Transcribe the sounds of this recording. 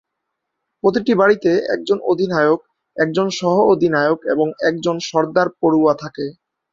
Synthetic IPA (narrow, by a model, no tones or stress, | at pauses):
pɾot̪̬iʈibaɽit̪eɛ̰k̚d͡ʑonod̪ʱinajok̚ | ɛk̚d͡ʑonʃɔɦood̪ʱinaeokḛboŋɛk̚d͡ʑonʃɔɾd̪aɾpoɾuat̪ʰake